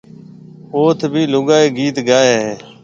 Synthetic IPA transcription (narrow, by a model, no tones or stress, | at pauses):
oːt̪ʰbʱiːlʊɠaːeːɡiːt̪ɡaːeːɦeː